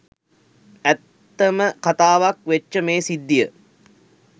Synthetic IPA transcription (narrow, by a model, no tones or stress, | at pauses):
æt̪ːəməkat̪aːʋakʋet͡ʃːəmeːsid̪ːijə